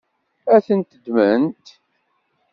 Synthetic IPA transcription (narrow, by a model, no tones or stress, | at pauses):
æθənt̪d̪mənt̪